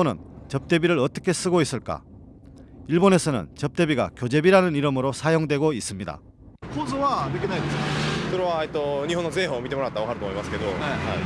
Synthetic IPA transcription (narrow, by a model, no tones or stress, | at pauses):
onɯ̰nt͡ɕʌp̚t͈e̞biɾɯɾʌt͈ʌkʰe̞s͈ɯɡois͈ɯɭk͈a̰ | iɭbone̞sʰʌnɯ̰nt͡ɕʌp̚t͈e̞biɡa̰kjod͡ʑe̞biɾanɯniɾɯmɯɾosʰajoŋdwe̞ɡois͈ɯmɲida̰ | kʰozowad̪ɯkʲinaid̪eskakɯɾowait̪͈ːoɲiɦonozeɦomit̪͈emoɾaat͈aɡoɦaɾɯtd̪omoimaske̞d̪oea